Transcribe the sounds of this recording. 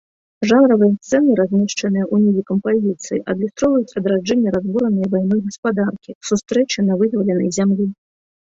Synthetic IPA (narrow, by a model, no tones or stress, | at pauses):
ʐanɾɐvɨjɐst̪sɛnɨɾazʲmʲɛʂt͡ʂɐnɨjɐʔunʲizʲikɐmpazʲit̪sɨjiʔɐd̪lʲust̪ɾɔvɐjut͡sʲɐd̪ɾad͡ʐɛnʲːɐɾazbuɾɐnɐjvajnɔjɣɐspad̪arkʲisust̪ɾɛt͡ʃɨnɐvɨd̪vɐlʲɛnɐ̰jzʲamlʲi